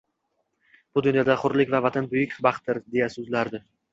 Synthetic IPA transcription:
b̥ʊd̪ʊnjɒd̪aχʊɾlɪkʲvavat̪ʰanbʊjɪkʲbɑχt̪ːɪɾd̪e̞jasɵzlaɾd̪ɪ

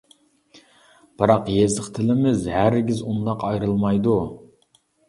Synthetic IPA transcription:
b̥ɨɾɑqjezləqt̪ʰɪlɪmɪzhæɾɡʲizund̪ɑqɑjɾɨlˠmɑjd̪u

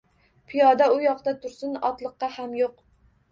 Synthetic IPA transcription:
pʰijɑːd̪ɛujɑqd̪ɑt̪ʰʊɾsɨnɑ̰t̪lˠəqːɑhæmjoq

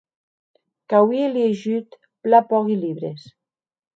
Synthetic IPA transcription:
kawieljeʒyt̪ | plapɔɣiliβɾes

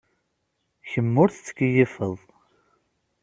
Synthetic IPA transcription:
çəmːʊɾθt͡sːə̥kːəjifəðˤ

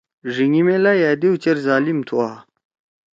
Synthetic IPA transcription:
ʐiŋimelajaːd̪iwt͡ɕeɾzaːlimt̪ʰua

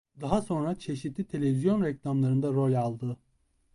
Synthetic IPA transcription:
d̪aɦaso̞nɾat͡ʃʰe̞ʃit̪ʰlʲit̪ʰe̞lʲe̞vizjo̞nɾɛclʲamlˠaɾɯnd̪aɾo̞lʲalˠd̪ɯ

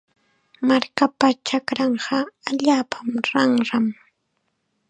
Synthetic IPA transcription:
maɾkapat͡ʃakɾɑɴɢɑaʎaːpʰamɾɑɴɾɑm

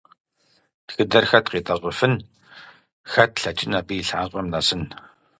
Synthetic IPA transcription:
txɨdɐrxɐtqiːtʼɐʁʷʊfɨn | xɐtʰɬɐt͡ʃʼɪnapiːɬaːɕʷʼɔmnasɨn

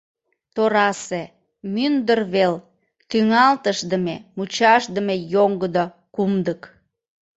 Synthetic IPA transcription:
t̪oɾɑse | mynd̪ərβel | t̪yŋɑlt̪əʃd̪əmemut͡ɕɑʃd̪əmejoŋɡəd̪o | kumd̪ək

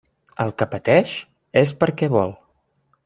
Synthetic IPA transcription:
əlˠkəpət̪ɛʃ | es̬pəɾkɛβɔlˠ

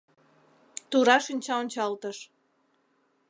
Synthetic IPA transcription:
t̪uɾɑʃənʲt͡ɕɑonʲt͡ɕɑlt̪əʃ

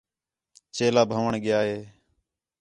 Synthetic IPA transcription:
t͡ʃeːlaːbʱəʋəɳɠɪjaːɦeː

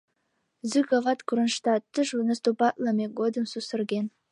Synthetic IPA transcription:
zyɡɑvɑt̪kuɾə̆nʃt̪ɑt̪ːəʒnəst̪upɑt̪lˠɑmeɡod̪ə̆msusə̆rɡʲen

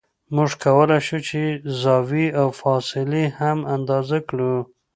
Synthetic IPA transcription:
muʐkawəlajʃut͡ʃezɑwiawfɑsɪlehamand̪ɑzakɽu

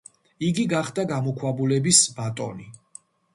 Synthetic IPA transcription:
iɡiɡaχd̪aɡamɔkʰwabulɛbisbat̪ʼɔ̰ni

